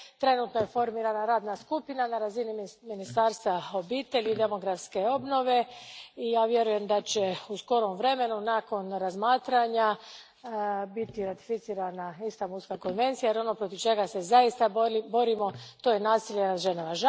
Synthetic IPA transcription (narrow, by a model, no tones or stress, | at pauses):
t̪ɾe̞nut̪no̞je̞fo̞ɾmiːɾanaɾaːd̪naskupinanaɾaziniminist̪aːɾst̪ʋao̞biːt̪e̞ʎid̪e̞mo̞ɡɾafske̞o̞bno̞ʋe̞ijaːʋje̞ɾuje̞md̪at͡ɕe̞usko̞ɾo̞mʋɾe̞me̞nunako̞nɾazmaːt̪ɾaɲa | bit̪iɾat̪i̥fit̪siːɾanaist̪ambulskako̞nʋe̞nt̪siajɾio̞nopɾo̞t̪iʋt͡ʃe̞ɡase̞zajist̪abo̞ɾimo̞t̪oːjenaːsiʎenazʒe̞naʋaʒ